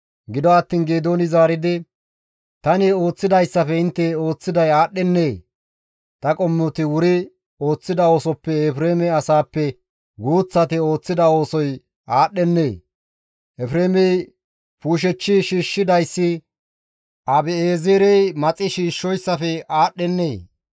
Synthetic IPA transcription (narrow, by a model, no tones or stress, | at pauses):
ɡɪd̪ɔɐt̪ːiːnɡeːd̪oːnɪzaːɾɪd̪ɪ | t̪ɐnɪo̞ːt͡sːɪd̪ɐjsːɐfɛɪnt̪ːɛo̞ːt͡sːɪd̪ɐjaːɗːɛnːeː | t̪ɐkʼɔmːʊt̪ɪwʊɾɪ | o̞ːt͡sːɪd̪ɐo̞ːsɔpːɛɛfɾe̞ːmɛɐsaːpːɛ | ɡuːt͡sːɐt̪ɪo̞ːt͡sːɪd̪ɐo̞ːsɔj | aːɗːɛnːe̞ː | ʔɛfɾeːmɛj | puːʃ̬ɛt͡ʃːɪʃiːʃːɪd̪ɐjsːɪ | ʔɐbɛeːzeːɾɛjmɐt͡sʼɪʃiːʃːɔjsːɐfɛaːɗːɛnːeː